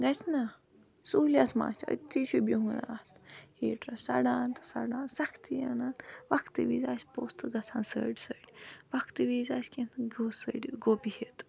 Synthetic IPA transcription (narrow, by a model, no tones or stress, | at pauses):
ɡɐt͡sna | suːlʲat̪ʰma̰ːt͡ʃaə̰t̪ːiʃubiɦunat̪hiːʈɾɐsɐɽaːnt̪ɨ̥sɐ̰ɽaːnsɐkʰt̪ijɐnaːnʋɐkt̪ɨʋiːzaːsʲpoːst̪ɨɡɐt͡sʰãːnsə̰ɖʲisəɖʲiʋɐkʰt̪ɨʋiːzaːsʲkinɡoːsə̰ɖiɡoːpihet̪